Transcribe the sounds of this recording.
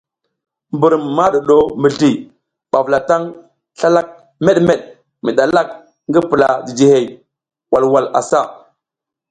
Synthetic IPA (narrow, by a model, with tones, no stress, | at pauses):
mbu˨ɾmːa˦ɗo˨ɗo˦mi˨ɮi˨ | ɓa˨vla˨ta˦ŋ | ɬa˦la˦k̚ | me˦ɗme˦˨ɗ̚ | mi˨ɗa˨la˦˨k̚ | ŋɡi˦pi˨la˨di˨d͡ʒi˨he˨j | wa˨lwa˨la̰˨sa˦˨